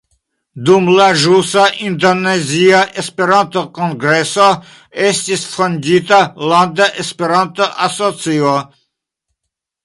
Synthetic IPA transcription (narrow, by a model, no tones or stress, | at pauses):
d̪umlaʒusaʔind̪oneziaʔespeɾant̪okoŋɡɾeso | est̪ʲisfonʲdʲit̪aland̪aʔespeɾant̪oʔasot͡sio